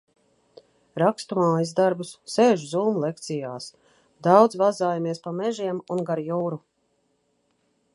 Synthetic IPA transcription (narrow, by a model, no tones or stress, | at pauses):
ɾakst̪umaːjiz̬d̪aɾbusːeːʒuzuːmulˠek̚t̪sijaːs | d̪awd̪zvazaːjamiɛspamɛʒiɛmunɡaɾjuːɾu